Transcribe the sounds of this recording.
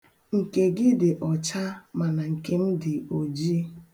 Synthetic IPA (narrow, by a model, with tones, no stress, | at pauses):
ŋ̩˨ke˨ɡɪ˦dɪ˨ʔɔ˨t͡ʃa˦ma˨na˨ŋ̩˨ke˦m̩˦dɪ˨o˨d͡ʒi˦